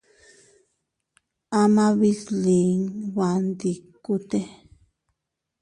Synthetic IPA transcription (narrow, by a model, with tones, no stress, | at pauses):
a˦mã˦βi˧˦sli˨ŋβa˨nd̪i˧ku˦t̪e˦